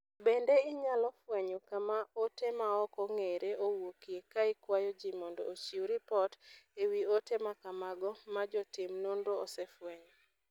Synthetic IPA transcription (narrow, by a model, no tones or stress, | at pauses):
bendeɪɲalɔfwɛɲokamaotemaɔkɔŋeɾeowokiekaɪkwajɔd͡ʒimɔndɔ̰ːt͡ʃioɾipɔtewiotemakamaɡɔmad͡ʒɔtɪmnondoːsefwɛɲo